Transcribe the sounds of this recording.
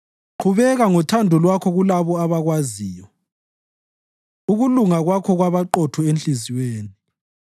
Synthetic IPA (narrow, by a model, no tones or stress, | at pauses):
ǃʰuβɛɣaŋɔtʰandʱɔlwakʰɔɣulaβɔaβaɣwaziːjɔ | uɣuluŋaɣwakʰɔɣwaβaǃɔtʰɔenɬiziweːni